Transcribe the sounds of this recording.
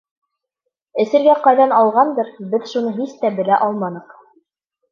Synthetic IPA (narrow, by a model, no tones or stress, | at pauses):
ɘ̆sɘ̆ɾɡæqɑjðɑnɑlˠʁɑnd̪ɤɾbɘðʃunɤɦist̪æbɘ̆læʔɑlˠmɑnɤ̆q